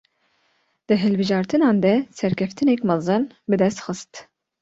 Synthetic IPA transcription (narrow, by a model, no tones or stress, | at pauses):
d̪̥ɨɦɨlbɨʒɑːɾt̪ʰɨnɑːnd̪ɛsɛɾkʲʰɛft̪ʰɨnɛkmɑzɨn | bɨd̪ɛst̪xɨst̪